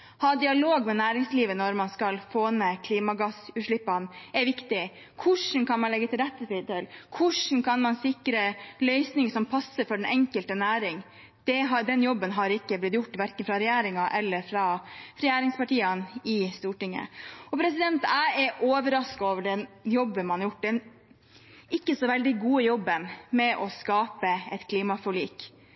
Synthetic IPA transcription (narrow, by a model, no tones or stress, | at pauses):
hɑːd̪ɪɑloːɡmɛnæːɾɪŋsliːʋənɔɾmɑnskɑlfoːnɛkʰliːmɑɡɑsʉːʂɭɪpːɑnɛɾʋɪkt̪ɪ | kʰʊʂɳ̩kʰɑnmɑnlɛɡːət̪ʰɪlɾɛt̪ːətɪt̪ɛlkʰʊʂn̩kʰɑnmɑnsɪkɾəlœʏsnɪŋəsɔmpʰɑsːəɾfɔɖɛnɛŋkəlt̪ənæːɾɪŋ | d̪̥ɛɦɑd̪ɛnjɔbːənɦɑɾɪkːəblɪt̪jʊʈːʋæɾkənfɾɑɾɛjæːɾɪŋɑʔɛlːəɾfɾɑɾɛjæːɾɪŋspɑʈiːɑnɪst̪uːʈɪŋːə̰ɔpʰɾɛsɪd̪ɛnt̪æɪɛɾʔoːʋəɾɑskɑoːʋəɖɛnjɔbːənmɑnjʊʈːd̪ɛn | ɪkːəsɔʋɛld̪ɪɡuːəjɔbːənmɛʔɔskɑːpəɛt̪kʰliːmɑfɔɭiːk